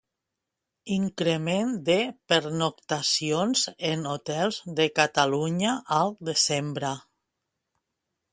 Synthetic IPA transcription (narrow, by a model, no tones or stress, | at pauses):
iŋkɾemend̪epeɾnokt̪asionzenot̪ɛlˠzðekat̪aluɲaʔːlˠd̪ezembɾa